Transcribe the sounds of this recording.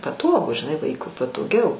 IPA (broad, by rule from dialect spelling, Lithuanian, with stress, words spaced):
pɐˈtoːɡʊ ʒʲɪˈnɐɪ ˈʋɐɪkʊɪ pɐtoːˈɡʲɛʊ